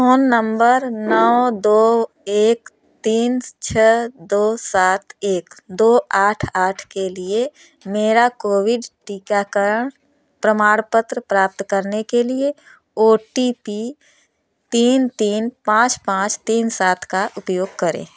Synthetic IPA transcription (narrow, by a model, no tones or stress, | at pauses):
oːnːə̃mbəɾnəwd̪oː | eːk | t̪iːnt͡ʃʰɛd̪oːsaːt̪ʰeːkd̪oːaːʈʰaːʈʰkelie | meːɾakoːwɪɖʈiːkakəɾəɳ̃ | pɾəmaːɽpət̪ɾəpɾaːp̚t̪kəɾnekelie | oːʈipi | t̪iːnt̪iːnpãːt͡ʃpãːt͡ʃt̪iːnsaːt̪ʰkaʔʊpjoːɡ̚kəɾḛ̃ː